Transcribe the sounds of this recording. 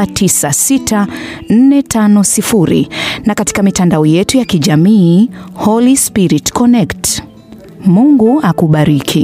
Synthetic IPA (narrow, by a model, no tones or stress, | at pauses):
atʰisasitʰan̩nɛtʰanɔsifuɾḭnakati̥kamitandaɔjɛtujakiʄamiːhɔlispiɾitkɔnɛkt | muŋɡuakuɓaɾikʰi